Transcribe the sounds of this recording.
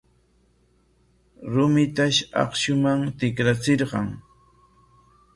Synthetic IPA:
ɾʊmɪt̪aʃɑ̰qʃʊmaŋt̪ɪkɾat͡sɪɾɢɑŋ

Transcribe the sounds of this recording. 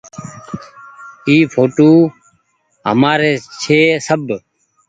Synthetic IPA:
iːfʰoːʈoː | ɦə̰maːɾeːt͡ʃʰeːsəb

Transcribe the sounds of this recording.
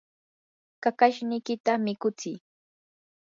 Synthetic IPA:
kakaʃnɪjkɪt̪amɪkʊt͡sɪj

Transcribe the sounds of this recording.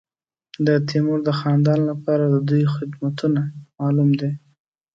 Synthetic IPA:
d̪ət̪ʰimʊɾd̪əxɑnd̪ɑnlapɑɾad̪əd̪ujxɪd̪mat̪unamɑlumd̪e

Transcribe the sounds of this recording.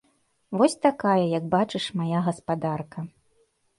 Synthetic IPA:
vɔsʲt̪akajɐjɐɡ̚bat͡ʂɨʂmajaɣɐspad̪arkɐ

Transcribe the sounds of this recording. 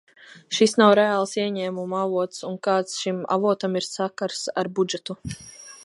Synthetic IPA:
ʃisnawɾɛaːlˠsiɛɲɛːmumuavuɔt̪sunkaːt̪sʃima̰vuɔt̪amiɾsakaɾsa̰ɾbud͡ʒɛt̪u

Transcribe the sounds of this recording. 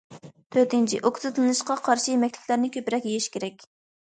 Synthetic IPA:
t̪ʰøɾt̪ɪnt͡ʃʰiʔokʲzɨt̪ʰlˠɨnɨʃqɑqʰɑɾʃijemɛkʲt̪ʰɪ̥kʲlæɾnɪkʲʰøpɾɛkʲjejiʃkʲʰeɾɛkʲ

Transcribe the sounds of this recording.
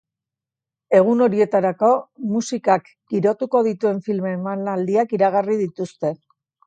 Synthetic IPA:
e̞ɣ̞uno̞ɾie̞t̪aɾako̞musikak | ɡ̥iɾo̞t̪uko̞ðit̪ue̞ɱfilme̞manald̪iakiɾaɣ̞arið̞it̪ust̪e̞

